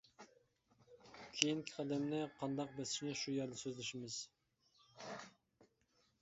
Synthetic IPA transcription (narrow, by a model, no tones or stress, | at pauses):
kʲʰejiŋkʲʰi̥qʰɑd̪ɛmnɪqʰɑnd̪ɑq̚bɛsɪ̥ʃnɪʃujɛɾd̪ɪsøzlɪʃimɪz̥